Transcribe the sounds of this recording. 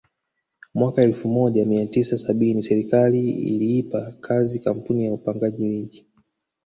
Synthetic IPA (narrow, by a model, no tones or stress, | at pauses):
mwakaɛlfumɔʄamiatisasaɓinisɛɾikaliḭliipakʰazikam̩punijaupaŋɡaʄiwiʄi